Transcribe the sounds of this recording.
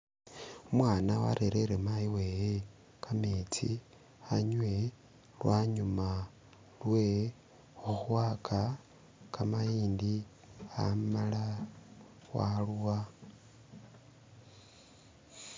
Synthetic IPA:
umwaːnawa̰ɾʔeɾeɾemaiweje | kʰamet͡sḭ | aɲwe̞ | lwaɲuma | lwe | uxuwaːkʰa | kamaiːndi | a̰mala | waluwa

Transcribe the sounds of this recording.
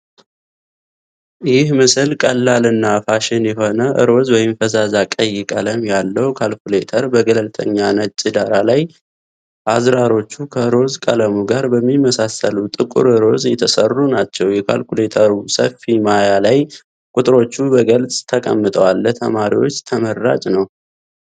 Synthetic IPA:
jɪhmɨsɨlkʼəlːalɨnːafaʃɪnjɛɦo̞nəʔɨ̰ɾo̞zwɔjɪmfəzazakʼəjːɪkʼələmjalːəwkʰalkule̞t̪ʰəɾbəɡələlt̪ʰʼə̰ɲːanət͡ʃʼɨd̪aɾalaj | ʔazɾaɾo̞t͡ʃːukʰəɨɾo̞zkʼələmuɡaɾbəmːimːəsasəlut̪ʼɨkʼṵɾɨɾo̞zjɛt̪ʰəsərːunat͡ʃːɛwjɛkʰa̰lkule̞t̪ʰəɾusəlfimajalaj | kʼut̪ʼɨɾo̞t͡ʃːubəɡəlsʼt̪ʰəkʼə̰mːɨt̪ʼəwalːət̪ʰə̰maɾḭwo̞̰t͡ʃːt̪ʰəmərːa̰t͡ʃʼnəw

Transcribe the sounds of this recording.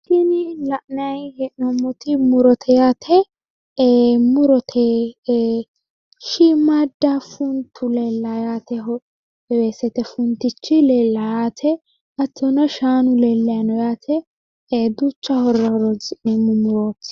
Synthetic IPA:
tinɪlɐʔnɐjhɛʔnɔmːɔt̪ɪmʊɾɔt̪ʰɛjaːt̪ʰɛ | mʊɾɔt̪ʰɛ | ʃimad̪ːɐfʊnt̪ʰʊlɛlːɐjaːt̪ɛɔ | weːsɛt̪ɛfʊnt̪ɪt͡ʃːɪlɛlːajaːt̪ʰɛ | ɐtːɔnɔʃaːnʊlɛlːɛjɐnɔjaːt̪ʰɛ | d̪ut͡ʃːɐhɔɾːɐɾɔzɪʔɛmʊmʊɾoːtː

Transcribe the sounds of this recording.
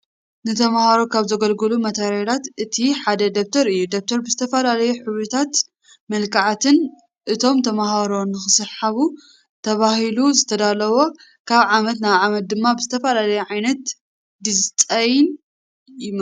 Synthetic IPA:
nɨt̪ʰɐmahaɾokʰaβzɐɡɐlɡɨlumɐt̪ʰɐɾeɾat̪ʔɨt̪ʰiħad̪ɐd̪ok̚t̪ʰɐɾɨjːud̪ok̚t̪ʰɐɾbɨzɨt̪ʰɐfɐlalɐjuħɨβɾɨt̪ʰat̪ | mɐlkʰaʕat̪ʰɨn | ʔɨt̪ʰo̞mt̪ʰɐmahaɾo̞nːɨxɨsɨħaβu | t̪ʰɐβahiluzɨt̪ʰɐd̪alɐwo̞ | kʰaβʕamɐt̪naβʕamɐt̪̚d̪ɨmːabɨzɨt̪ʰɐfɐlalɐjuʕajnɐt̪ | d̪ɨzt͡s̪ʼɐjn | jɪm

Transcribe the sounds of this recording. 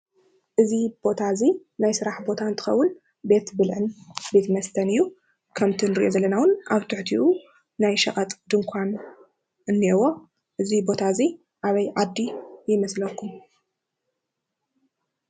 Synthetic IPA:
ʔɨzib̥o̞t̪ʰazinajsɨɾaħbo̞t̪ʰaɨnt̪ʰɨ̥xɐ̰wːʊn | be̞t̪bɨlʕɨnbe̞t̪mɐst̪ʰɐnɨjːu | kʰɐmt̪ʰinɨɾiʔo̞zɐlːɐnawnaβt̪ʰɨħt̪ʰiʔu | najʃɐχʼɐt̪ʼd̪ɨŋkʷʰan | ɨnːewo̞ | ʔɨzibo̞t̪ʰazi | ʔaβɐjʕad̪ːijɪmɐslɐkʰːum

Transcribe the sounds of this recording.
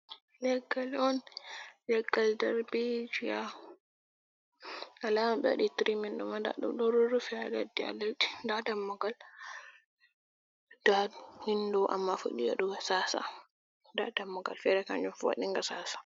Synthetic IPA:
lɛɡːalɔnlɛɡːaldɛɾbid͡ʒia | alamabɛ̰wa̰ɗitɾiminɗumanda̰ɗṵdɔɾuɾufɛaladia̰ladi̥ndadamːɔɡal | d̥adhindɔʔa̰mːafṵɗija̰ɗuɡasasa̰ | da̰damːɔɡa̰lfɛɾɛka̰nd͡ʒɔnfwa̰ɗiŋɡasaːsḁ

